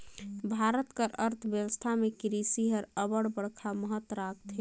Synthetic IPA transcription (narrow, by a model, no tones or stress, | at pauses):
bʱaɾət̪kəɾəɾt̪ʰbjewəst̪ʰamekiɾisiɦəɾəbəɽbəɽkʰaməɦət̪ːɾak̚ʰt̪ʰe